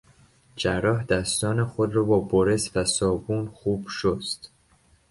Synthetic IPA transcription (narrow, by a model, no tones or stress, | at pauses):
d͡ʒæɾrːɒːɦd̪æst̪ɒːnexod̪ɾɒːbɒːboɾe̞svæsɒːbuːnxuːb̥ʃost̪